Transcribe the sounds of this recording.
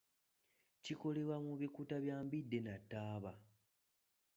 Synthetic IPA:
ciko̞le̞wamuβikuːtaβjaːmbidːe̞natːaːβa

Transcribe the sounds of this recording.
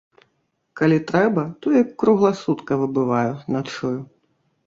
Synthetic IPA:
kalʲit̪ɾɛbɐt̪ɔjɐkːɾuɣlˠɐsut̪kɐvɨbɨvajunɐt̪t͡ʂuju

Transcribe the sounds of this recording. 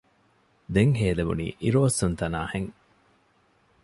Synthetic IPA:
d̪eŋɦeːleʋṵnḭːʔiɾoːɐsunt̪ɐnaːheŋ

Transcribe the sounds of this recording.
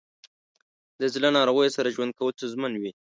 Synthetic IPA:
d̪əzlanɑɾoɣəjosaɾaʒwand̪̚kawəlt͡sozmənwi

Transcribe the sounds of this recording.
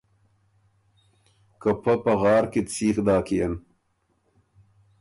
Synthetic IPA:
kɐpʰɐpɐɣɑːɾket͡sʰiːxd̪aːkijɐn

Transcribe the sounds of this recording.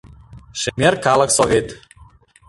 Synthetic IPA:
ʃemʲerkɑlˠəksovʲet̪

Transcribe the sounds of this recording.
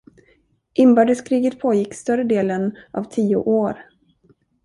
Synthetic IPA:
ʔɪmbœːɖəskʰɾiːɡət̪pʰoːjɪkːst̪œɾəd̪eːlənʔɑ̰vt̪ʰiːʊ̰ʔoːɾ

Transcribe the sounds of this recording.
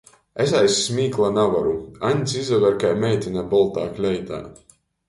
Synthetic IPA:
esajsːmiːklˠanavaɾuaɲʲsizɔvɛɾkajmɛjt̪ʲinabɔlˠt̪aːklʲɛjt̪a̰ː

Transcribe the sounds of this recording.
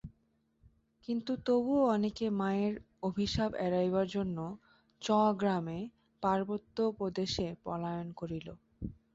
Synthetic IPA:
kint̪ut̪obuoɔnekemaeɾ | obʱiʃabɛɾajbaɾd͡ʑonːo | t͡ɕɔɡɾame | paɾbot̪ːopɾod̪eʃepɔ̰lajonkoɾilo

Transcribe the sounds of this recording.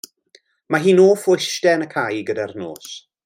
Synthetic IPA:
maɦiːnoːfʊjʃtɛnəkʰajɡədarno̰ːs

